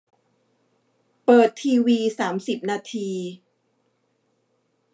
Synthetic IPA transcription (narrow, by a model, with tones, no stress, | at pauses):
pɤː˨˩t̪ʰːiː˧wiː˧saː˩˦msi˨˩p̚naː˧t̪ʰiː˧